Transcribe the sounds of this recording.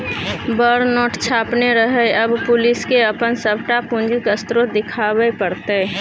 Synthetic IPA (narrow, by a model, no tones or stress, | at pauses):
bəɾnɔːʈt͡ʃʰaːpneɾəɦəɐbpʊlɪskeəpənsəbʈapʊ̃nd͡ʒikəst̪ɾod̪ɪkʰaːbepəɾt̪e